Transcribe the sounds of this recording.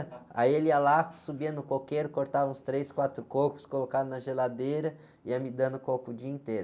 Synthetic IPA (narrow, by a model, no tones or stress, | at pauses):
a̰ielialasubiɐnʊkokejɾʊkoɾt̪avɐ̃ũst̪ɾejskwat̪ɾʊkokʊ̥skolokadʊnɐʒelad̪ejɾɐ | ɪɐmid̪ɐ̃d̪ʊkokʊd͡ʒiɐĩt̪ejɾ